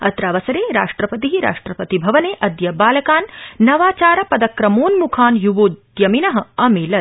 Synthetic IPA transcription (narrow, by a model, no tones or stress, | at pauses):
ɐ̰t̪ɾaːʋɐsɐɾeːɾa̰ːʂʈɾɐpɐt̪̬iɦiɾa̰ːʂʈɾɐpɐt̪ibʱɐʋɐneːʔɐd̪jɐbaːlɐkaːnːɐʋaːt͡ʃaːɾɐpɐd̪ɐkɾɐmoːnmukʰaːnjuʋoːt̪ | jɐminɐɦɐ̆ɐmeːlɐ